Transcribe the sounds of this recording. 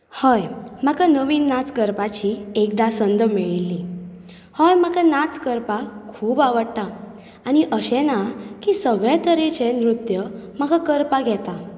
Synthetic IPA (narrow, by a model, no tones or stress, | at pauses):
həjm̤akanəʋiːnːat͡skəɾpat͡ɕiekd̪asənd̪əmiɭilːi | həjm̤akanat͡skəɾpakʰuːbaʋəɽt̪a | aɽ̃iʔəɕɛ̃nakisəɡɭat̪əɾet͡ɕenɾut̪jəm̤akakəɾpaɡʱjɛt̪a